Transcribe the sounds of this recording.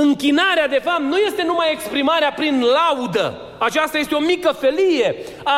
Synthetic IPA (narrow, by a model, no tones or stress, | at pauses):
ɨŋkʲinaɾead̪e̞fap̚t̪nuje̞st̪e̞numaje̞kspɾimaɾeapɾinlaud̪ə̰ | at͡ʃast̪ajest̪eo̞mikəfe̞lije̞ | a